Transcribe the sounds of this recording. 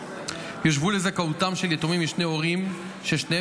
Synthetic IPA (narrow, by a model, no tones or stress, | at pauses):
joʃ̬vulezakautamʃeljet̪omimiʃneoʁim | ʃeʃne